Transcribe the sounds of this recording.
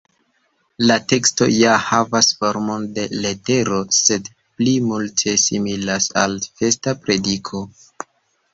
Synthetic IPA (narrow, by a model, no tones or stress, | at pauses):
late̞ksto̞̰jahavasfo̞ɾmo̞nde̞le̞te̞ɾo̞se̞d | plimultʰe̞similasa̰lfe̞stapɾe̞dikʰo̞